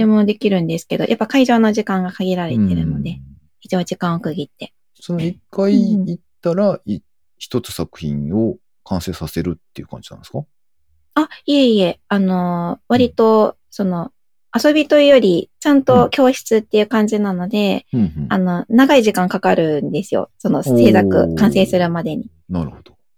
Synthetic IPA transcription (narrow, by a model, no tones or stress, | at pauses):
emo̞d̪e̞kʲiɾɯ̟̃nd̪e̞sɨ̥ke̞d̪o̞̰jʔapːakaiʑo̞ːnoʑikãŋɡakaɡʲiɾaɾe̞t̪e̞ɾɯ̟no̞d̪e̞ | it͡ɕiβad͡ʑikãɰ̃okɯ̟ɡʲit̪ːe̞ | soikːaiːt̪ːaɾai | çi̥t̪o̞t͡sɨ̥sakɯ̟̥çḭ̃ɰo̞ | kãɰ̃se̞ːsase̞ɾɯ̟t̪ːḛiɯ̟kãɲd͡ʑinã̰ne̥ska | aieie̞ano̞βaɾʲit̪o̞ | so̞no̞ | aso̞bʲit̪o̞ijo̞ɾʲit͡ɕãnt̪o̞kʲo̞ːɕi̥t͡sɨt̪ːe̞jɯ̟ːkãɲ̟d͡ʑinano̞d̪ẽ̞ano̞naɡaiʑikãŋkakaɾɯ̟nd̪e̞sɨjo̰so̞no̞se̞ːsakɯ̟̰kãɰ̃se̞ːsɨɾɯ̟mad̪e̞ɲ̟i | naɾɯ̟hod̪̥o̥